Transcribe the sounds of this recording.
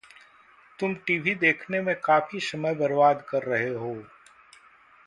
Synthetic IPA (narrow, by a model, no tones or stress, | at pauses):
t̪ʊmʈiːʋʱid̪eːkʰnemẽkaːfisɐməjbɐɾʋaːd̪kɐɾːɐɦeɦoː